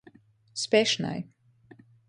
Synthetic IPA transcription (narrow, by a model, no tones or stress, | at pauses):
spʲɛʃna̰j